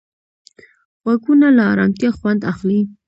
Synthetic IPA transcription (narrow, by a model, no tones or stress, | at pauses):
ɣwaɡunalaːɾɑmt̪jaxwand̪axli